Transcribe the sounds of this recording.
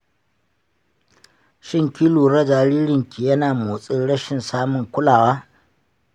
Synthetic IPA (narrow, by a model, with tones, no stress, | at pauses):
ʃɪ˦ŋkʲɪ˦luː˨ɾɐ˦d͡ʒa˨ɾiː˦ɾɪ˨ŋkʲi˨jɐ˦naː˨moː˨sʼɪ˦nɽɐ˦ʃɪ˨nsaː˦mʊ˨ŋkʷʊ˦laː˨waː˦